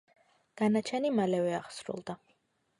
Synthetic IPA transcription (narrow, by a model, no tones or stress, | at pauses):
ɡ̥anat͡ʃʰɛnimalɛvɛaχsɾṵlˠd̪a